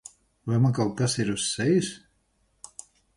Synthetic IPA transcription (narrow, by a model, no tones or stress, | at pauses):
vajmakalkasiɾusːɛjis